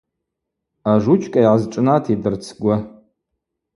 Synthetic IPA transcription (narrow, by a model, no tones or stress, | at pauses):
aʐut͡ʃʰʼkʼajʕazʈ͡ʂʼnatʰidɨrt͡sʰɡʷa